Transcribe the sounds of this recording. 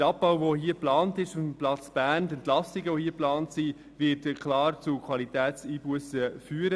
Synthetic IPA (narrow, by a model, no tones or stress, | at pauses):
əɾɑp̚baʊvohiəplɑːntɪʃʊfm̩plɑt͡sb̥æːntɛntlɑsɪɡəʋohiːəplɑːntsi | vɪːtkχlɑːɾt͡sukʰʋwɑlitɛːtst͡siːbuəsəfyːɾə